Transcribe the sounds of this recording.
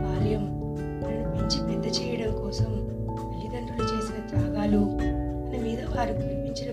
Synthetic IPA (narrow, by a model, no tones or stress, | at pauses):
baːɾɐjɐm | pɾɐnɐpiɲt͡ʃipend̪ɐt͡ʃɛːjɐɽɐmkɔːsɐm | ʋɐlːid̪ɐɳʈulɐt͡ʃe̞ːsinɐd͡ʒ̪aːɡaːlu | mɐnɐmiːd̪ɐʋaːɾikunɐpiɲt͡ʃinɐ